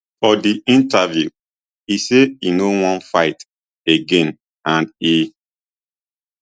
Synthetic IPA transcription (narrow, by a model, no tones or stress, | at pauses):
fɔdiĩntavju | iseinowɔ̃nfaɪt | eɡẽn | ãni